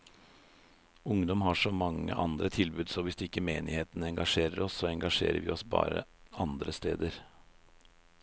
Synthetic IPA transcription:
ʊŋd̪ɔmɦɑʂɔmɑŋːə̰ʔɑnd̪ɾət̪ʰɪlbʉːd̪sɔʋɪsɪkːəmeːnɪheːt̪ənəɛŋɡɑʂeːɾəɾɔsːoːɛŋɡɑʂḛːɾə̰ʋɪ̰ɔsbɑ̰ːɾə̰ɑnd̪ɾəst̪ḛːd̪əɾ

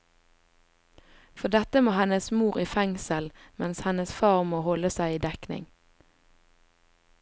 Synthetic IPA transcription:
fɔd̪ɛt̪əmoːhɛnəsmuːʁiːfɛŋsəlmɛnshɛnəsfɑːʁmoːhɔləsæɪiːd̪ɛknɪ̰ŋ

